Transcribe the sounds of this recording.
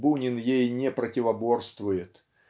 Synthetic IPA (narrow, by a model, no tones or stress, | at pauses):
bunʲɪnjejnʲɪpɾətʲɪvɐbo̞rst̪vʊjɪt̪